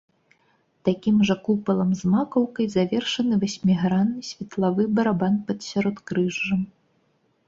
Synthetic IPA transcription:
t̪akʲimʐɐkupɐlˠɐmzmakɐwkɐjzavʲɛrʂɐnɨvasʲmʲiɣɾanːɨsʲvʲɛt̪lˠavɨbɐɾabanpɐt̪sʲaɾɔt̪kɾɨʐːɐm

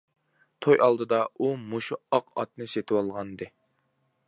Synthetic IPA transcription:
t̪ʰojʔɑlˠd̪ɨd̪ɑumuʃuɑqʰɑ̰t̪̚nɨset̪ʰɪwɑlˠʁɑnd̪ɨ

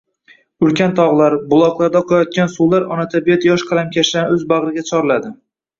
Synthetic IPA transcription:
ʊlkʲant̪ʰɒʁlˠaɾbʊlˠɒqlˠaɾd̪aqʰɒjɒt̪̚kʲansuwlˠaɾɒnat̪ʰabijat̪jɒʃqʰɑlamkʲʰaʃd̪anɵzbaʁɾɪɡʲat͡ʃʰɒɾlad̪ɪ

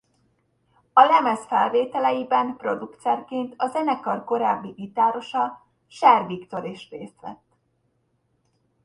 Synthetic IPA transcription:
ɒlɛmɛsfɛlveːt̪ɛlɛjibɛmpro̞d̪ukt̪sɛrkeːnt̪ʰɒzɛnɛkɒrko̞ɾaːbːiʔit̪aːɾo̞ʃɒ | ʃɛrvikt̪o̞ɾeːʃreːst̪ʋɛ̰t̪ː

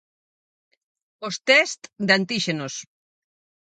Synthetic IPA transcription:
ost̪ɛst̪d̪ant̪iʃenos

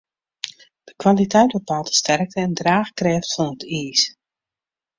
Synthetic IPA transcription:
d̥əkwalitɛjt̚bəpalˠtə̥stɛrk̚təɛndraːxkrɛːftfɔnətiːs

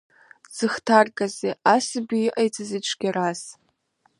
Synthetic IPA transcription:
z̥ɨχtʰarkʼazeʔasɨbiʔajt͡sʰɨzɨʈ͡ʂʷʰɡʲaras

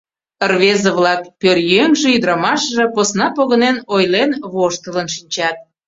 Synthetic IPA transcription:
ərβezəβlɑkpørjøŋʒĕyd̪ɾɑmɑʃʒĕposnɑpoɣənenojlenβoʃt̪ələnʃinʲt͡ɕɑt̪̚

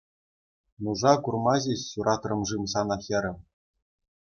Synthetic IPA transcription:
nuʐɑkurmɑʑʲeɕːuɾʔɑt̪rɤ̆mʐɯmsɑnɑxʲɑɾʲɘ̆m

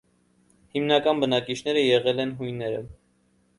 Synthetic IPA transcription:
himnɑkɑnbənɑkit͡ʃʰn̪ɛɾəjɛʁɛlɛnɦujnɛɾə̰

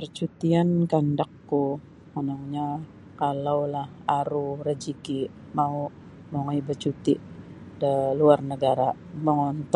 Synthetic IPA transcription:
pərt͡ʃut̪iankandakːu | mənaŋɲa | kalawlahaɾurəd͡ʒiki | mau | moŋɔibət͡ʃut̪iʔ | dəluarnəɡaɾa | məŋɔnt̪

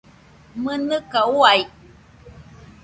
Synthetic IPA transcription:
mənɨkauaj

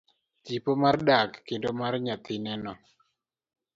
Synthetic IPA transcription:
tipomardakːendomarɲat̪ɪnɛnɔ

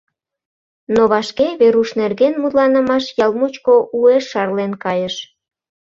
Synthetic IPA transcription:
noβɑʃkeβeɾuʃnerɣenmut̪lɑnə̆mɑʃjɑlmut͡ɕkoʔueʃːɑrlenkɑjəʃ

